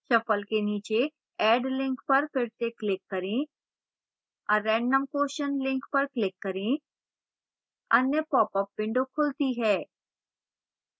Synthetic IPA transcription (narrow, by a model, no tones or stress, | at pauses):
t͡ʃɐpəlkeniːt͡ʃe | ɛːɖlɪ̃ŋkpɐɾpʰɪɾt̪eklɪkːɐɾẽ | ɔɾːɛ̃ːɳɖːəmkoːʃənlɪ̃ŋkpɐɾklɪkːɐɾẽ | ɐnjəpɔːpəpːɪ̃ɳɖokʰʊlt̪iɦɛː